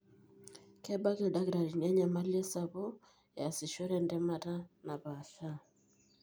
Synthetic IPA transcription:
kɛ˦ba˦ke˨da˦kɾa˨ɾi˨ɲa˦ɲa˨ma˦li˦e˦sa˦βo˦˨ | ja˨si˨ʃo˦ɾɛ˦˨ndɛ˦ma˦ta˦na˨βa˨ɬa˦˨

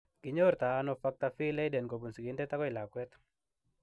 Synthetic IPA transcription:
kɪ˨ɲoɾt̪aː˨˦nɔfak̚t̪a˦fi˦lɛ˦ɪdɛ˨nko˨bu˨nsi˨ɡi˨ndɛ˦t̪a˦kɔ˦ɪ˨la˨kwɛt̪

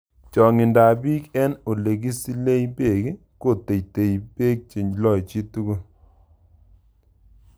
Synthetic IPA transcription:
t͡ʃɔ˨ŋɪ˨nda˨bi˦kɛ˦no˨le˨k̬i˦si˦le˦jbe˦˨k | ko˦˨te˨jte˨jbe˦k̚t͡ʃi˨ɲd͡ʒlɔ˦˨jt͡ʃi˦tu˦ɡu˦

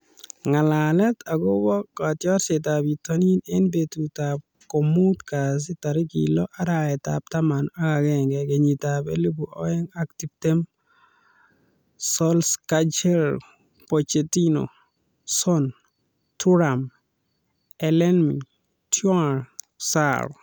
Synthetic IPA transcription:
ŋa˨la˨lɛ˦ta˨ɡo˦bɔ˦kːa˨tjɔ˦ɾse˨ta˨bi˨to˦ni˦ne˦nbe˨tu˨tap̚ | kɔ˨mu˦tka˨s̬ɪ˦ta˨ɾɪ˦kḭlɔ˦ʔa˦ɾa˨ɛ˨ta̰p̚ta˦ma˨na˦ka˨ɡɛ˦˨ŋɡɛ˨ke˨ɲi˨ta˨pḛ˦le˦bu˨ʔɔ˦ɛ˦ŋa˦kti˨bte˦m | sɔ˦lska˦t͡ʃɛ˦l | po˨t͡ʃe˨ti˦no̰˨ | sɔ˦n | tu˦ɾa˨m | ɛ˨lɛ˦nmḭ˨ | tjɔ˦˨ɾ | sa̰ɾɔ̰˨

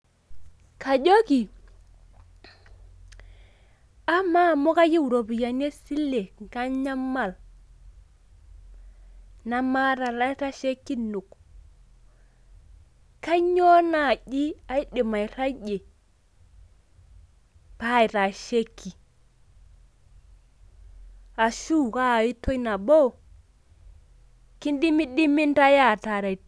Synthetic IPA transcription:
ka˨d͡ʒo˦ki˨ | a˦ma˦˨mo˦ka˦ji˦wu˨ɾo˨bi˨ja˨ne˦si˦lːe˨ŋɡa˦ɲa˦mːa˦˨l | na˦ma˦ɾa˨ɾa˦ɾa˦ʃe˦kːi˦nu˨k | ka˦ɲɔ˦na˨d͡ʒi˦a˦i˦ɗi˨ma˨jɾa˦d͡ʒe˨ | pa˦˨i˨ta˨ʃe˦kːi˨ | a˨ʃu˦ka˦˨i˦to˦jna˨bo˦ | ki˦ndi˦mi˦ɗi˦mi˦nta˦ja˦˨ta˨ɾa˨

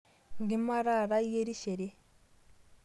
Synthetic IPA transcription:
ŋɡi˦ma˦ɾa˦˨ɾa˦je˦ɾi˦ʃe˨ɾi˦

